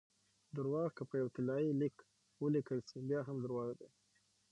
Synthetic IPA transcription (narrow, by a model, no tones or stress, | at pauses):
d̪əɾwɑɣkəpəjawt̪ɪlɑjilik | wəlikəlsibjɑɦamd̪əɾwɑɣad̪a